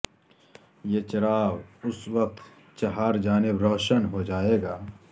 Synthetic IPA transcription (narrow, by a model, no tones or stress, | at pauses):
jeːt͡ʃɐɾaːwʊswɐq̚t̪ | t͡ʃɐɦaːɾd͡ʒaːnɪbɾɔːʃənɦod͡ʒaːeːɡaː